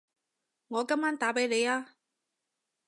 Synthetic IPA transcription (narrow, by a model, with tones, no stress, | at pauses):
ŋɔː˨˧kɐ˥mːaː˥nt̪aː˨˥pe˨˥jle˨˧jaː˥